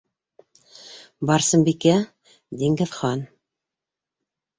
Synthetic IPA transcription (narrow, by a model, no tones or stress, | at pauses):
bɑɾsɤ̆mbikæ | d̪iŋɡɘ̆ðχɑn